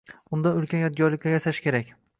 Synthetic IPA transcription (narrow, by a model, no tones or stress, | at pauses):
ʊnd̪aʊlkʲʰanjɒt̪̚ɡʲɒɾlɪk̚ʲːajasaʃkʲʰe̞ɾakʲ